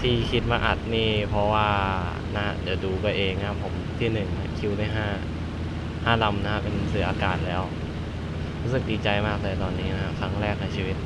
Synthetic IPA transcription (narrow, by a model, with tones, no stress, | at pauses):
t̪ʰiː˧˩kʰi˦˥t̪̚maː˧ʔa̰˨˩t̪̚niː˥˩pʰɾɔ˧˦˥waː˥˩ | na˦˧˥ha̰˧˥di˨˩˦wduː˧kɔː˧˩ʔeː˧ŋna˦˧˥pʰo˩˦mt̪ʰiː˥˩nɯ˨˩ŋna˧˦˥kʰi˧˥wna˧˩jɦaː˥˩ | haː˥˩la˧mna˦˥hʰa˦˥pe˧nsɯː˨˩˦ʔaː˧kaː˨˩t̪̚lɛː˦˥w | ɾuː˦˥sɯ˨˩k̚diː˧t͡ɕa˧jmaː˥˩k̚lɤː˧jt̪ɔː˧nːiː˦˥na˦˥ha˧˥kʰɾa˦˥ŋɾɛː˥˩k̚na˧jt͡ɕʰi˧˩wi˦˥t̪̚